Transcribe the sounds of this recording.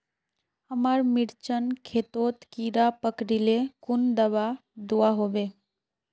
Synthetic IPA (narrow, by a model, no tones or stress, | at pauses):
əmaːɾmɪɽt͡ʃənkʰet̪oːt̪kiːɾapəkɾilekʊnd̪əbad̪uaɦoʋeː